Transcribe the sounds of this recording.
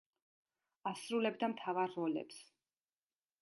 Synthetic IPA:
asɾulɛbd̪amt̪ʰavaɾːɔlɛ̰ps

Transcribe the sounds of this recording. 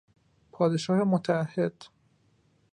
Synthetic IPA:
pʰɒːd̪eʃɒːhemot̪ʰææhːe̞d̪̥

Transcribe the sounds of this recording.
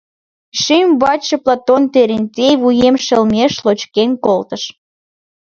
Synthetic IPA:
ʃimβɑt͡ɕə̆plˠɑt̪ont̪eɾenʲtʲejβujemʃəlmʲeʃlot͡ɕkenkolt̪əʃ

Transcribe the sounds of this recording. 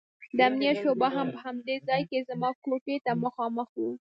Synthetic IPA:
d̪əamnijaʃobaɦampəhamd̪ezɑjkezamɑkoʈet̪aməxɑməxwu

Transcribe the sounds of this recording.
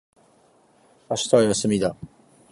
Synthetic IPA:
aɕi̥t̪aːjasɨmʲid̪a

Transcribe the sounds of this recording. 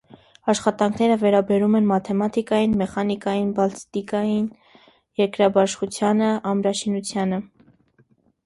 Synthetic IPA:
ɑʃχɑt̪ɑŋkʰnɛɾəvɛɾɑbɛɾumɛnmɑt̪ʰɛmɑt̪ikɑjinmɛχɑnikɑjinbɑlst̪ikɑjin | jɛɾkɾɑbɑʃχut͡sʰjɑnəɑmɾɑʃinut͡sʰjɑnə

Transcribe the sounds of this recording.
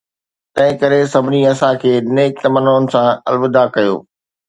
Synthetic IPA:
t̪ɐ̃ɦɪ̃kɐɾesɐbʱɪniɐsãkʰeːneːk̚t̪ɐmənoːnɪ̆sãɐ̰lʋɪd̪ʱakɐjo̰ː

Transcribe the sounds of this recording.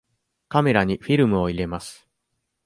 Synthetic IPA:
kame̞ɾaɲ̟iɸʲiɾɯ̟mɯ̟o̞iɾe̞masɨ̥

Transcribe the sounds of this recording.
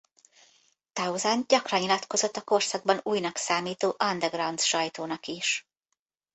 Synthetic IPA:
t̪ɒuzanɟɒkrɒnilɒt̪ko̞zo̞t̪ːɒko̞rsɒɡ̚bɒnuːjnɒksaːmiːt̪oːʔɒnd̪ɛɡrɒnt̪sʃɒjt̪oːnɒkiʃ

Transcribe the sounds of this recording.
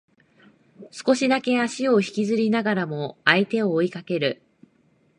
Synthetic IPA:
sɨ̥ko̞ɕid̪ake̞aɕio̞çi̥kʲizɨɾʲinaɡaɾamo̞ait̪e̞o̞ːikake̞ɾɯ̟

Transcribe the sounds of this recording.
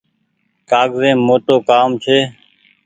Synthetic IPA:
kaːɡzẽːmoːʈoːkaːmt͡ʃʰeː

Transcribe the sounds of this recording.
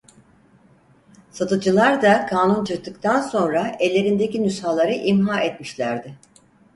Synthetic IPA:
sat̪ʰɯd͡ʒɯlˠaɾd̪akʰaːnunt͡ʃʰɯɾt̪ʰːɯkt̪ʰanso̞nɾaɛlʲːe̞ɾind̪ecinyshalˠaɾɯʔimɦaːɛt̪miʃlʲæɾd̪ɪ

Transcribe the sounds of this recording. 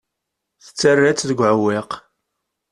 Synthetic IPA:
θə̥t͡sːərːæt͡sːðəɡʷʕəwːɪq

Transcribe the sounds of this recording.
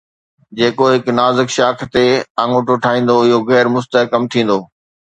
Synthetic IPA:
d͡ʑeːkoɦɪknaːzɪkʃaːkʰt̪eɐ̃ŋoʈʊʈʰaːĩːn̆d̪oɪɦoɣɛːɾmʊst̪əɦkɐmt̪ʰĩːn̆d̪oː

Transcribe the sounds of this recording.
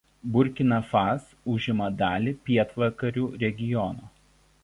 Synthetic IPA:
bʊɾʲkʲɪnɐfɑs | ʊʒʲɪmɐd̪ɑːlʲɪpʲiɛt̪ʋɐkɐɾʲuːɾʲɛɡʲɪjɔnoː

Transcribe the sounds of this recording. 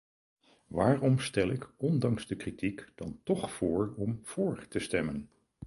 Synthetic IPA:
ʋaːrɔmstɛlɪkɔndɑŋzdəkritikd̥ɑntɔχfʊːɹɔmv̥ʊːɹtəstɛmən

